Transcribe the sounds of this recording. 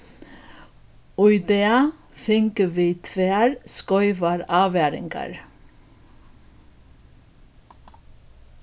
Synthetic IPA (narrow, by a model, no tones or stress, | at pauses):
ʊʏd̪eːɑ | fɪŋkəʋiːt̪ʰʋeːɑɾskɔʏʋɑɾɑːʋeːɾɪ̰ŋɡɑ̰ɹ